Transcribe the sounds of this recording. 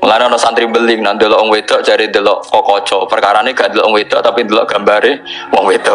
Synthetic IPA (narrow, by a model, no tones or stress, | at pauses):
lanɔnɔsant̪ɾibəlɪŋnand̪ilɔʔwɔŋwed̪̥ɔ̤ʔt͡ʃaɾind̪əlɔʔkɔkɔ̥t͡ʃɔpərkaɾaneɡ̥aʔnd̪əlɔʔwɔŋwed̪̥ɔʔt̪apind̪əlɔʔɡ̥a̤mbaɾewɔŋwed̪̥ɔʔ